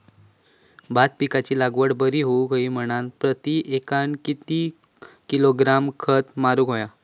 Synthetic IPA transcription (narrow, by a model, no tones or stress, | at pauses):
bat̪̚pikat͡ɕiːlaɡʋəɽbəɾiːɦoukəiːm̤əɽ̃alpɾət̪iʔekaɳkit̪i | kiloɡɾamkʰət̪maɾuːkɦoja